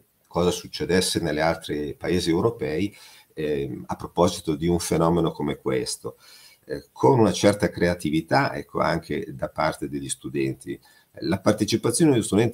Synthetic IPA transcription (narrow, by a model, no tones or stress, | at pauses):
kɔːzasut͡ʃːed̪ɛsːenelːealt̪ɾepaeːziewɾopɛːi | apːɾopɔzit̪od̪iuɱfenɔːmenokomekwḛst̪o | kʰonunat͡ʃɛrt̪akɾeat̪ivit̪aʔɛ̰kːo̰a̰ŋkʰḛd̪apart̪ed̪eʎːist̪ud̪ɛnt̪i | lapart̪et͡ʃipat̪sːjond̪eost̪ud̪ɛnt̪